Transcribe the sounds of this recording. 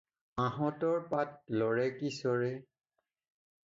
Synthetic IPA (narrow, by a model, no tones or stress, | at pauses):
ãɦɔtɔɹpat̚lɔɹɛkisɔɹɛ